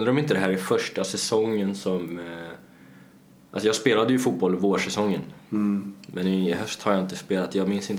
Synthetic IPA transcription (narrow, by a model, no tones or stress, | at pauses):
nəɾɔmɪnt̪əd̪ɛɦæːɾɪfœʂʈasɛsɔŋːənsɔm | ʔa̰lsɔjɑːɡspeːlad̪əjɵfuːt̪̚bɔlvoːʂɛsɔŋːən | mʔɛnɪɦœst̪haɾjɑɪnt̪əspeːlat̪jɑːɡmɪnsɪnt̪